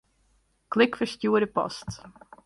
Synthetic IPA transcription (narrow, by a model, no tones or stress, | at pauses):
klɪkfəɹscuəɾəpɑ̰st